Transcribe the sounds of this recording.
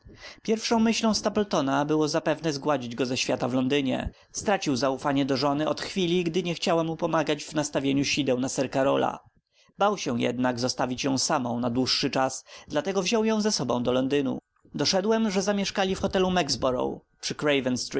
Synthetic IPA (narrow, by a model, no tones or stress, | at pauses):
pʲjɛɾfʂɔ̃w̃mɘɕlɔ̃w̃st̪apɛlt̪ɔnabɘwɔzapɛvnɛzɡwad͡ʑid͡ʑɡɔzɛɕfʲjat̪avlɔnd̪ɘɲɛ̰ | st̪ɾat͡ɕiwzaufaɲɛd̪ɔʐɔnɘɔt̪xfʲilʲiɡd̪ɘɲɛxt͡ɕawamːupɔmaɡad͡ʑvnast̪avʲjeɲuɕid̪ɛwnasɛɾkaɾɔla̰ | bawɕɛ̃jɛ̰d̪naɡzɔst̪avʲit͡ɕjɔ̃w̃samɔ̃w̃nad̪wuʂːɘt͡ʂasd̪lat̪ɛɡɔvʑɔ̃w̃jɔ̃w̃zɛsɔbɔ̃w̃d̪ɔlɔnd̪ɘnṵ | d̪ɔʂɛd̪wɛmʐɛzamʲjɛʂkalʲifxɔt̪ɛlumɛɡzbɔɾɔ̰wpʂɘkɾɛjvɛnst̪ɾi